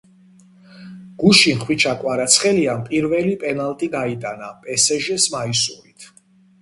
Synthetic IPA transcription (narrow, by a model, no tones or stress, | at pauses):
ɡ̥uʃinχwit͡ʃʰakʼwaɾat̪sʰχɛliampʼiɾvɛlipʼɛnalt̪ʼiɡait̪ʼanapʼɛsɛʒɛsmaisṵɾit̪ʰ